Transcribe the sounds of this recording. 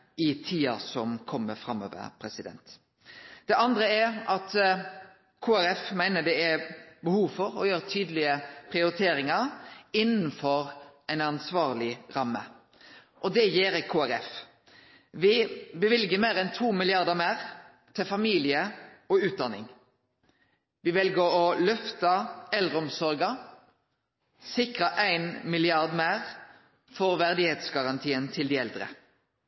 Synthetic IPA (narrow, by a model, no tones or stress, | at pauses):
ɪt̪ʰiːɑ̰sɔmkʰɔmːəfɾɑmːø̰ːʋə̰ɾpʰɾɛsɪd̪ɛ̰nt̪ | d̪̥ɛʔɑnd̪ɾəæɑt̪ | kʰoːæɾɛfmæɪnəd̪ɛæbəhuːʋfɔɾɔjøːɾət̪ʰyːd̪əlɪəpʰʁɪʊɾɪt̪ʰeːɾɪŋɑɾɪnn̩fɔɾɛɪnɑnsʋɑːʁlɪɾɑmːə̰ | ʔɔd̪ɛjeːɾəkʰoːæɾɛf | ʋɪbəʋɪlɡəmeːʁɛnt̪ʰuːmɪlɪɑʁd̪əmæːʁ | t̪ʰɛfɑmiːlɪəɔʉːt̪̚d̪ɑnːɪ̰ŋ | ʋɪʋɛlɡəɾɔlœft̪ɑɛlʁəɔmsɔɾɡɑ | sɪkʁəʔæɪnmɪlɪɑʁd̪mæɪʁ | fɔɾʋæʁd̪ɪheːt̪sɡɑʁɑnt̪ʰiːənt̪ʰɪld̪ɪɛld̪ʁə̰